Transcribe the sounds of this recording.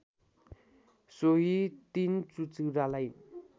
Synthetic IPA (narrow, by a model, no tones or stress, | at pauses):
soɦit̪int͡sut͡siɾalaj